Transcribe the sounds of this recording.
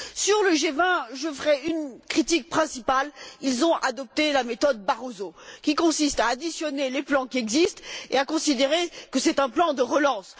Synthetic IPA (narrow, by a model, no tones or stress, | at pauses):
syʁləʒevɛ̃ʒəfəʁɛynkχit̪ik̚pχɛ̃sipalilzɔ̃ʔad̪ɔp̚t̪elamet̪ɔd̪̚baʁozokʲikɔ̃sist̪aːd̪isjɔneleplɑ̃kʲiɛɡzist̪ḛakɔ̃sid̪eʁekəsɛt̪ɛ̃plɑ̃d̪əʁəlɑ̃s